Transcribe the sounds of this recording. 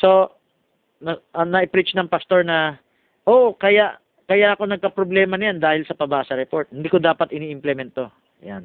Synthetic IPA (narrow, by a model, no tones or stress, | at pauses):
so̞ | nɐʔɐnɐʔɪpɾit͡ʃnɐŋpɐst̪o̞ɹnɐ | ʔoːʔokɐjaʔ | kɐjaʔkonɐɡ̚kɐpɾoblɛːmɐnɐjand̪aːhɪlsɐpɐbaːsɐɾɛpo̞ɹt̪̚hɪnd̪iːkod̪aːpɐt̪ʔɪniːʔɪmplɛmɛnt̪ːo | jan